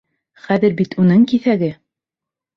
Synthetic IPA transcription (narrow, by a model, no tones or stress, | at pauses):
χæðɘɾbit̪ʰunɤŋkiθæɡɘ